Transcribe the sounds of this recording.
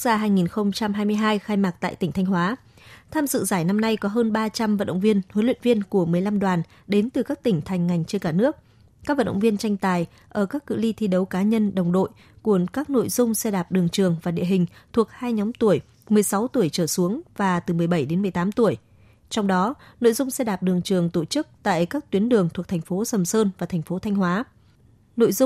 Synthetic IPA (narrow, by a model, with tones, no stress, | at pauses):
zaː˧ɦaː˧jŋi˨˩nxə˧wŋ͡mt͡ɕa˧mhaː˧jmɨ˧əjɦaː˧jxaː˧jmaː˨˩k̚t̪a̰ː˧˨t̪ï˧˩ŋ̟t̪ʰa˧jŋ̟hwaː˨˦ | t̪ʰaː˧mzɨ̰˧˨zaː˧˩jna˧mna˧jkɔ˨˦ɦəː˧nɓaː˧t͡ɕa˧mvə̰˧˨nɗə̰˧˨wŋ͡mvi˧ənhwə˨˦nlwḭ˧˨nvi˧ənku˧˩əmɨ˨˩əjla˧mɗwaː˨˩n | ɗe˨˦nt̪ɨ˨˩kaː˦˥k̚t̪ï˧˩ŋ̟t̪ʰa˨˩jŋ̟ŋa˨˩jŋ̟t͡ɕe˧nkaː˧˩nɨ˦˥ək̚ː | a˦˥k̚və˧˨nɗə̰˧˨vi˧ənt͡ɕa˧jŋ̟t̪aː˨˩j | ʔəː˧˩kaː˦˥kːɨ̰˧˨li˧t̪ʰi˧ɗə˨˦wkaː˨˦ɲə˧nɗə˨˩wŋ͡mɗo̰˧˨j | ku˧˩əkaː˦˥k̚no̰˧˨jzʊ˧ŋ͡msɛ˧ɗaː˨˩p̚ɗɨ˨˩əŋt͡ɕɨ˨˩əŋvaː˨˩ɗḭ˧əɦï˨˩ŋ̟t̪ʰu˨˩ək̚haː˧jɲɔ˨˦mt̪u˧˩əj | mɨ˨˩əjsa˨˦wt̪u˧˩əjt͡ɕəː˧˩su˨˦əŋvaː˨˩t̪ɨ˨˩mɨ˨˩əjɓə˧˩jɗe˨˦nmɨ˨˩əjt̪aː˨˦mt̪u˧˩əj | t͡ɕɔ˧wŋ͡mɗɔ˨˦no̰˧˨jzʊ˧ŋ͡msɛ˧ɗaː˨˩p̚ɗɨ˨˩əŋt͡ɕɨ˨˩əŋt̪o˧˩t͡ɕɨ˦˥k̚t̪a̰ː˧˨jkaː˦˥k̚t̪wi˨˦ənɗɨ˨˩əŋt̪ʰu˨˩ət̪ʰɛ˨˩ŋ̟fo˨˦sə˨˩msəː˧nvaː˨˩t̪ʰɛ˨˩ŋ̟fo˨˦t̪ʰa˧jŋ̟hwaː˨˦ | no̰˧˨jzʊ˧ŋ͡m